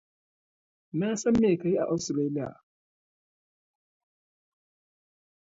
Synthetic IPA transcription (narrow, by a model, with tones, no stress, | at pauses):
maː˦sɐ˦mːeː˨ka˨ji˦ʔa̰˨ʔa˨wsɾeː˦li˦ja̰˨